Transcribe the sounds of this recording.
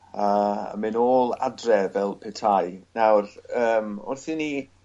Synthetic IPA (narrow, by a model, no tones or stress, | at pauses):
ə̰mɪnoːlˠa̰drɛvɛlˠpʰɛtʰajnawrəːmʊ̰rθɪni